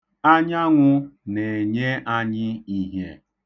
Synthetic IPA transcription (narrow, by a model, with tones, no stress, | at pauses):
a˦ɲ˦a˦ŋʷʊ˦ne˨ɲe˦ʔa˦ɲɪ˦i˦ɦe˦